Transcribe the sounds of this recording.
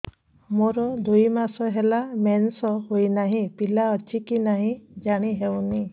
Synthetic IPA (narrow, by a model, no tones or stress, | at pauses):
moɾɔd̪ujmasɔɦelamensɔɦojnaɦĩpilaɔt͡ʃikinaɦĩd͡ʒaɽ̃iɦewni